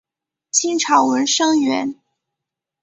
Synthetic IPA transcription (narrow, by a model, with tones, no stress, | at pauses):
t͡ɕʰi˥ŋʈ͡ʂʰɑ˨˩ʊwə˧˥nʂɤ˥ŋɥɛ˧˥n